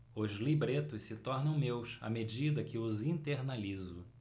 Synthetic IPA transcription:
ʊzlibɾet̪ʊssɪt̪ɔɾnɐ̃w̃mewsa̰med͡ʒid̪ɐkɪʊzĩnt̪eɾnalizʊ

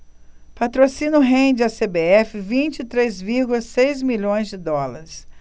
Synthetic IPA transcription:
pat̪ɾosĩnʊɦẽd͡ʒɪasebeɛfɪvĩt͡ʃɪit̪ɾezviɾɡʊlɐsejzmiʎõj̃zd͡ʒɪd̪ɔlaɾɪs

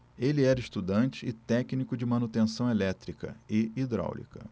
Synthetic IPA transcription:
elɪɛɾɐɪst̪ud̪ɐ̃t͡ʃɪɪt̪ɛknikʊd͡ʒɪmɐ̃nut̪ẽsɐ̃w̃elɛt̪ɾikɐ̰ɪid̪ɾa̰wlḭkɐ̰

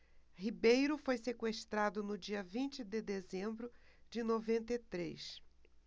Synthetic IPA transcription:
hibejɾʊfojsekweʃt̪ɾad̪ʊnʊd͡ʒiɐvĩnt͡ʃɪd̪ɪd̪ezẽmbɾʊd͡ʒɪnovẽnt̪et̪ɾḛjs

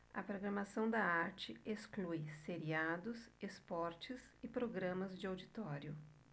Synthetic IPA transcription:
ɐ̰pɾoɡɾɐmasɐ̃w̃d̪ɐaɾt͡ʃɪesklujseɾiad̪ʊsespɔɾt͡ʃɪzɪpɾoɡɾɐ̃mɐzd͡ʒɪawd͡ʒit̪ɔɾjʊ

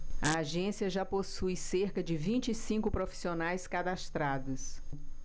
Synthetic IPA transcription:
ɐaʒẽsiɐʒaposujseɾkɐd͡ʒɪvĩt͡ʃɪsĩkʊpɾofi̥sionajskad̪ast̪ɾad̪ɐs

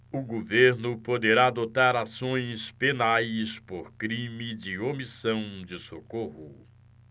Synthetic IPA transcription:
ʊɡoveɾnʊpod̪eɾaːd̪ot̪aɾasõj̃spenajspoɾkɾĩmɪd͡ʒɪomisɐ̃w̃d͡ʒɪsokohʊ

